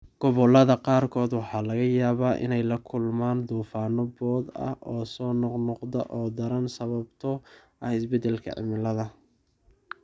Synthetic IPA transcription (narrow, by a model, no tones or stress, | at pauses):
ɡ̥ɔβɔlɐðɐqɑːrkʰɔːd̪wɑħɑːlɐɣɐjaːβaːʔɪ̰nɛjlɐkʰʊlmaːnd̪uːfaːnɔbɔːd̪ɐ̰hʔɔːsɔːnɔqnɔqd̪ɐʔɔːd̪ɐɾɐnsɐβɐbt̪ʰɔʔɐhɪsbɛd̪ɛlkʰɐ̰ʕɪ̰mɪlɐðɐ